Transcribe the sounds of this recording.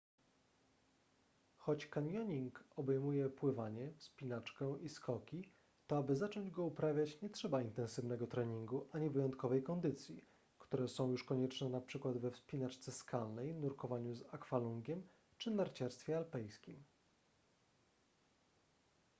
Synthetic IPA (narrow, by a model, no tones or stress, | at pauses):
xɔt͡ɕkaɲjɔɲiŋkɔbɛjmujɛpwɘvaɲɛfspʲinat͡ʂkɛʔiskɔkʲi | t̪ɔabɘzat͡ʂɔɲd͡ʑɡɔupɾavʲjat͡ɕɲɛtʂɛbaint̪ɛ̃nsɘvnɛɡɔt̪ɾɛɲiŋɡuʔaɲɛvɘjɔnt̪̚kɔvɛjkɔnd̪ɘt̪sʲji | kt̪uɾɛsɔ̃w̃juʂkɔɲɛt͡ʂnɛnapʂɘkwad̪vɛfspʲinat͡ʂt̪sɛskʰalnɛjnuɾkɔvaɲuzakfaluŋɡʲɛm | t͡ʂɘnaɾt͡ɕaɾst̪fʲjɛalpɛjskʲim